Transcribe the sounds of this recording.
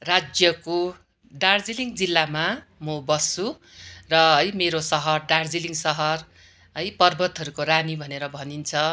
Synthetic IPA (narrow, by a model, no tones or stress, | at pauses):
rad͡zjʌko | ɖard͡ziliŋd͡zilːama | mobʌsu | rʌʌjmeɾosʌɦʌrɖard͡ziliŋsʌɦʌr | ʌjpʌrbʱʌt̪ɦʌɾukoɾanibʱʌneɾʌbʱʌnint͡sʰʌ